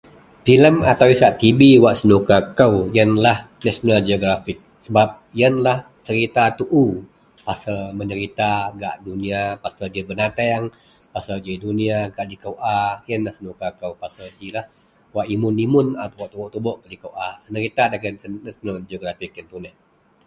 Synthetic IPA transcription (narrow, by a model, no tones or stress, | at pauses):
filəmat̪awisaʔt̪ibiwaʔsənukakəwjənlah | nasonald͡ʒioɡɾafɪk̚səbap̚jənlah | t͡ʃəɾit̪at̪uʔu | pasamənəɾit̪aɡa̰ʔduniapasadəbənat̪aŋ | pasad͡ʒiduniaɡaʔdikəwʔajənlahsənukakəwpasəd͡ʒilah | waʔimʊnimʊnat̪awaʔt̪ubɔʔt̪ubɔʔkadikəwʔasənəɾit̪adəɡanːɛsnald͡ʒioɡɾafɪk̚jənt̪unɛh